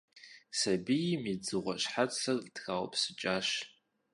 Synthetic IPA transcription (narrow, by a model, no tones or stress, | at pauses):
sɐbijimid͡zɨʁʷɔɕħat͡sɐrdxawpʰsɨt͡ʃʼaːɕ